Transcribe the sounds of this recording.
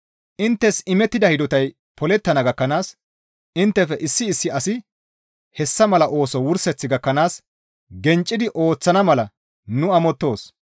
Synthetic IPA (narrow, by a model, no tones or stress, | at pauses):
ʔɪnt̪ːɛsɪmɛt̪ːɪd̪ɐhɪd̪ɔt̪ɐj | pɔlɛt̪ːɐnɐɡɐkːɐnaːs | ɪnt̪ːɛfɛʔɪsːɪːsːɪɐsɪ | hɛsːɐmɐlɐʔo̞ːsɔwʊɾsɛt͡sːɪɡɐkːɐnaːs | ɡɛnt͡ʃʼːɪd̪ɪʔo̞ːt͡sːɐnɐmɐlɐ | nʊɐmɔt̪ːo̞ːs